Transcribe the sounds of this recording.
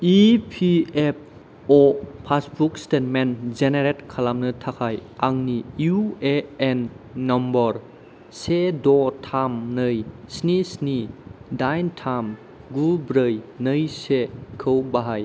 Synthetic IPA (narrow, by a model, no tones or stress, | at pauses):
ipʰiep̚ | ɔpʰasbukstetmend͡ʒeneɾetkʰalamnɯtʰakʰajaŋniueenːɔmbɔɾ | sedɔtʰamnɯəjsnisnidajntʰam | ɡulbɾəjnəjsekʰəwbaɦaj